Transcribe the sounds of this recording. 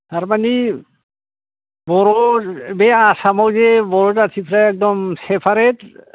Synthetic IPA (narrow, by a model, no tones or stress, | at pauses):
taɾmani | bɔɾɔbɛasamawzɛbɔɾɔzasʰipʰɾaɛk̚dɔmsɛpʰaɾet